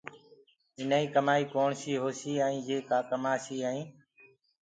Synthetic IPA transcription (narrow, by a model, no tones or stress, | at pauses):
ɪnaːĩːkəmaːiːkoːɳsiːɦoːsiːaːĩːjeːkaːkəmaːsiːaːĩː